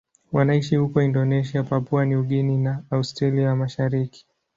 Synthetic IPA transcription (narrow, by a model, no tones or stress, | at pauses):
wanaiʃihukɔindɔnɛʃiapapuaniuɠininaːustɾaliamaʃaɾiki̥